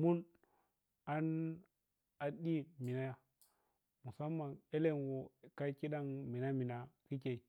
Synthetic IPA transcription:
mu˦n | a˦n | a˨ɗi˦mi˨na˦ja˦ | mu˨sa˦mːa˨ne˦le˦nwo˨ka˦ki˦ɗa˦ŋmi˨na˦mi˨na˨ki˦ke˨i˨

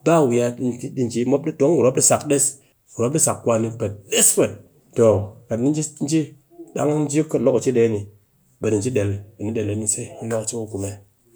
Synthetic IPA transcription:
ba˦˨wi˨ja˧˦di˨nd͡ʒi˨˦mo˦p̚ɗi˦to˨˦ŋ˦ɡu˨ɾo˦p̚ɗi˦sa˨kɗe˦s | ɡu˨ɾo˦p̚ɗi˦sa˨kːʷa˧ni˧bə˨t̚ɗe˦spə˨t | to˨ka˨˦i˦n˦d͡ʒi˦n˦d͡ʒi˦ | ɗa̰˦ŋ˦n˦d͡ʒi˦kə˦lo˦kt͡ʃi˦ɗe˨˦ni˨ | ɓə˨di˨n̩˨d͡ʒi˦ɗe˨lbe˨ni˦ɗe˨le˨ni˦se˦i˦i˦na˦kt͡ʃi˦mu˦ɡu˨me˨

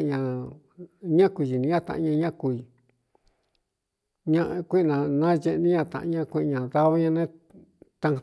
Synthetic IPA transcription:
ɲã˧ | ɲã˦kʷu˧˨ʒi˨nĩ˧˦ã˦˧t̪ã̰˧ʔɲã˧ɲã˦ku˧i˧˨ | ɲã˧ʔkʷi˦ʔnã˧nã˦je˧ʔnĩ˦ɲã˧t̪ã̰˧˨ʔɲã˧kʷẽ˧ʔɲã˨ða˦βa˦ɲã˧nẽ˦ | t̪ã˧

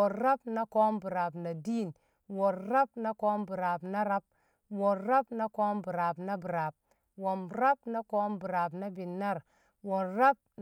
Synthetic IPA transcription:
o˨ɾa˦p̚na˦ko˦mbu˨ɾa˨bna˨di˦˨n | wo˨ɾɾa˦bna˦ko˦mbu˨ɾa˨bna˦ɾa˦b̚ | wo˨ɾa˦bna˦ko˦mbu˨ɾa˨bna˦bi˨ɾa˨b̚ | wo˨mɾa˦bna˦ko˦mbu˨ɾa˨bna˦bi˨nːa˦˨ɾ | wo˨ɾa˦b̚ | n

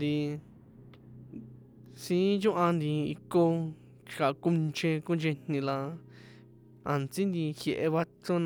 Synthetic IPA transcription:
d̪i˧ | sĩ˧˦t͡ʃũ˦ʔã˧nd̪i˧ḭ˧ko˧ | t͡ʃka˨˧ku˧nt͡ʃẽ˧kũ˦nd͡ʒe˧n̥nĩ˧la˧ | a˧nt͡si˦nd̪i˧xje˨ʔe˧βa˧to˦n

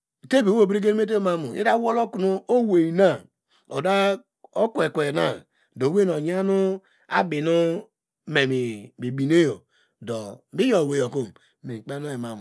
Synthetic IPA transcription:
te˦be˨˦o˦˨bɾi˦ɡe˦n˦e˦t̬e˦o˦ma˦mu˨ḭ˦da˦wo˦lo˦ku˨nu˦o˦we˨i˨na˦˨ | o˨da˦ | o˦kwe˨kʷe˨na˦˨ | do˨we˦n˨o˨ɲa˦nu˦ | a̰˦bi˨nu˦ | me˨mi˨bi˨bi˨ne˦jo˨ | do˨bi˦jo˨we˨jo˨ko˦m | me˨k͡pe˦no˦e˨ma˨m˨

